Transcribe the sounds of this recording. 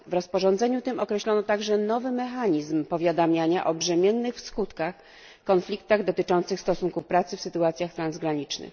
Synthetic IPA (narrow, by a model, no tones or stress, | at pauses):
vɾɔspɔʐɔ̃nd̪zɛɲut̪ɘmɔkɾɛɕlɔnɔt̪aɡʐɛnɔvɘmɛxaɲizmpɔvʲjad̪amʲjaɲaʔɔbʐɛmʲjɛnːɘxfskut̪kax | kɔnflʲikt̪aɣd̪ɔt̪ɘt͡ʂɔnt̪sɘxst̪ɔsuŋkufpɾat̪sɘfsɘt̪uat̪sʲjaxt̪ɾanzɡɾaɲit͡ʂnɘ̰x